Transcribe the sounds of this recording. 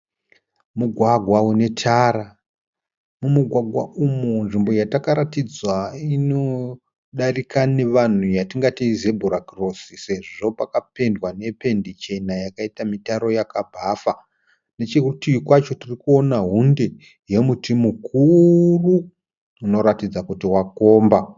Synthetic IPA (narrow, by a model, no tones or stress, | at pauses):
muɡʱwaɡʱwaune̞tʰaɾa | mumuɡʱwaɡʱwa̰ʔumunʐimbo̞jatakaɾatid͡zwaino̞ | ɗarikʰane̞ʋan̤ujatiŋɡatiize̞bʱuɾakro̞sise̞ʐʐo̞pakape̞ndwane̞pe̞ndit͡ʃe̞najakaitamitaɾo̞jakabʱafa | ne̞t͡ʃekutijikwat͡ʃo̞tirikuo̞naɦunde | je̞mutimukʰuruː | no̞ɾatid͡zakutiwako̞ːmba